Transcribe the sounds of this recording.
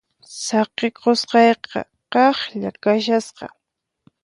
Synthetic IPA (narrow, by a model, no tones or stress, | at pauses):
sɑqeqosqɑjqɑ̰ | qɑχʎakaʃasqɑ̰